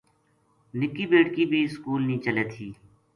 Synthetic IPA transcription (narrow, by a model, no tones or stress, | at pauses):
nɪkiːbeːʈkiːbʱiːskuːlnĩːt͡ʃəleːt̪ʰiː